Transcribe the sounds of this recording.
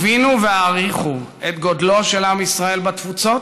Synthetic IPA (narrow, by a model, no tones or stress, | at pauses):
vinuveaʁiχu | et̪ɡo̞d̪lo̞ʃelamisʁae̞lbat̪fut͡so̞t